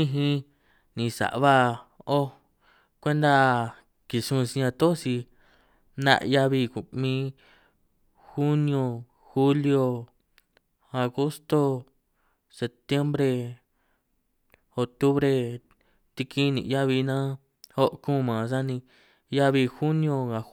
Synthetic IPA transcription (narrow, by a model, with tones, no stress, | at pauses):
ĩ˧ɦĩ˧ | nĩ˧sa̰˨ʔβa˦o˦ | kʷe˦nd̪a˦ | ki˨ʂũ˦˧si˧ã˧t̪o˦si˧ | nã̰˦˧ʔja˦˧βi˧ku˨mĩ˦ | xu˦nĩ˧õ˧ | xu˦ljo˧ | a˨ɣo˦st̪o˧ | se˧pt̪je˦mbɾe˧ | o˨t̪u˦βɾe˧ | t̪i˧ki˦˧nḭ̃˨˧ja˦βi˧nã˦ | ho˦ʔkũ˦˨mã˨s̬a˦nĩ˧ | ja˦βi˧xu˦nĩ˧õ˧ŋã˨